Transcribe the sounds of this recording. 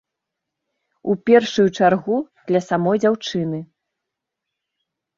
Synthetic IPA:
upʲɛrʂujut͡ʂarɣud̪̥lʲɐsamɔjd͡zʲawt͡ʂɨnɨ

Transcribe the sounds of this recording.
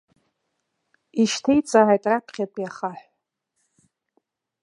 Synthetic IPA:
iʃtʰejt͡sʼaʕajtʼrapʰχʲatʼjaχaħʷ

